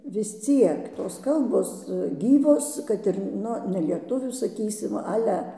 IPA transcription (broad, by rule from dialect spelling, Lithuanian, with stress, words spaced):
ʋʲɪs ˈt͡sʲiɛk toːs ˈkɐlˠboːs ˈɡʲiːʋoːs ˈkɐt ɪr ˈnʊ nʲɛlʲiɛˈtʊʋʲuː sɐˈkʲiːsʲɪm ˈɑːlʲɛ